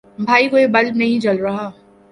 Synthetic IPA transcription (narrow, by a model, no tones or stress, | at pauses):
bʱaːikoːebɐlnɐɦĩt͡ʃɐlɾɐɦaː